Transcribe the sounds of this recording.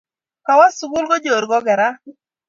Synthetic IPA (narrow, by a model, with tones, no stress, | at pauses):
ka˨wa˦sʊ˨ɡʊ˦lɡɔ˦d͡ʒo˨ɾɡɔ˦ɡɛ˨ɾa˦